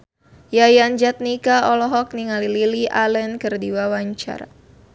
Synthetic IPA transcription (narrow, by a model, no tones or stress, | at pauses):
jajand͡ʒat̪̚nikaɔlɔɦɔk̚niŋalililiʔalɛnkɨrdiwawaɲt͡ʃa̰ɾa̰